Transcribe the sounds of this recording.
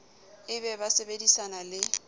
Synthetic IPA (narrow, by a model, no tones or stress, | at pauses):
ɪbɛbasebedisanalɪ